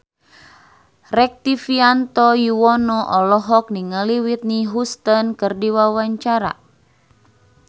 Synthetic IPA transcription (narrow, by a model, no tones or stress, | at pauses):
rɛk̚t̪ifiant̪ɔjuwɔnɔʔɔlɔɦɔk̚niŋəliwit̪̚niɦust̪ənkɨrdiwawaɲt͡ʃaɾa̰